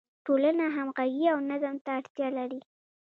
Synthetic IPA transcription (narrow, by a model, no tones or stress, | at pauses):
ʈolanaɦamɣaɡiawnazəmt̪aːɽt̪jɑlaɾi